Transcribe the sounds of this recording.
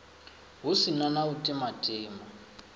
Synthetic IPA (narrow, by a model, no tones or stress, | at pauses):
ɦusinanautʼimatʼiːma